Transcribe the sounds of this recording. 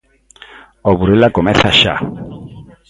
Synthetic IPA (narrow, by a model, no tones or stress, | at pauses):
ɔβuɾilakɔmɛθaʃa̰